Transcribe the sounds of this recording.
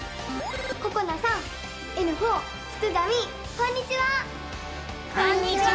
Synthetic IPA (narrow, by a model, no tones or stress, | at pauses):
kokonasãŋ | enɯ̟ɦoː | sɨ̥tɨd̪amʲi | kõɲ̟ːit͡ɕiβa | oɲi